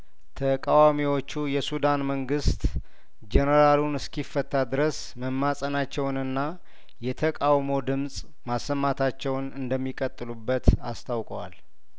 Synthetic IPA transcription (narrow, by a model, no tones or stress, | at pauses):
t̪ʰəkʼawamiwo̞t͡ʃːujɛsud̪anməŋɡɨst̪ʼ | d͡ʒɛnəɾalunɨskifːət̪ʰːad̪ɨɾəs | məmːasʼənat͡ʃːɛwnɨnːa | jɛt̪ʰəkʼawmo̞d̪ɨmsʼ | masːəmːat̪ʰat͡ʃːɛwnɨnd̪əmːikʼət̪ʼːɨlubːət̪ast̪ʰawkʼəwa̰l